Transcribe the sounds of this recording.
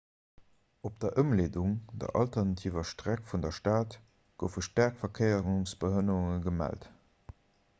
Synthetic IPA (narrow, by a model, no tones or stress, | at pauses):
op̚d̥ɐʔəmleːduŋd̥ɐ̰ʔɑ̰ltɐnɑtʰiːvɐʃtʁækfundɐʃtaːt | ɡ̥əʊfəʃtæɐkfɐkʰəɪəʁuŋsb̥əhənəʁuŋəɡəmæ̰lt